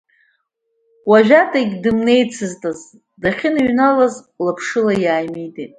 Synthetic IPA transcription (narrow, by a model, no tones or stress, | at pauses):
waʒᶣatʼaɡʲdɨmne̞jt͡sʰɨztʼaz | daχʲɪnɥnalaz | lapʰʂɨlajaːjmijtʼejtʼ